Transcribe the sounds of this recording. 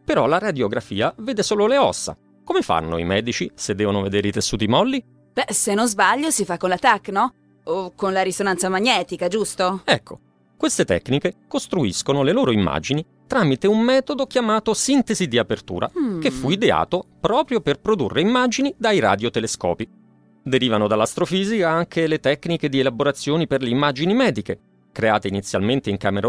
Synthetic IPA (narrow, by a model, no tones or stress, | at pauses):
peɾɔlaɾad̪joɡɾafḭːaveːd̪esoːloleɔ̰sːa̰ | komefa̰nːo̰ḭmɛːd̪it͡ʃised̪ːɛːvonoved̪eːɾeit̪esːuːt̪imɔlːi | b̥ɛsenːozbaʎːosifakːonlat̪akːnɔ | okːonlaɾisonant̪samaɲːɛːt̪ikad͡ʒust̪oɛkʰːo̰ | kwest̪et̪ɛ̰kːnikekost̪ɾuiskonoleloːɾoimːa̰d͡ʒini | t̪ɾaːmit̪eummɛːt̪od̪ok̟jamaːt̪osint̪ezid̪iapert̪ṵːɾʔa̰kefːuid̪ea̰ːt̪opɾɔːpɾjoperpɾod̪ṵrːʔeimːad͡ʒinid̪ajɾa̰d̪jot̪eleskɔ̰ːpi | d̪eɾiːvanod̪alːast̪ɾofiːzikaaŋkʰelet̪ɛkːniked̪ielaboɾat̪sːjoːniperleimːad͡ʒinimɛːd̪ike | kɾea̰ːt̪einit̪sːja̰lment̪eiŋka̰ːmeɾo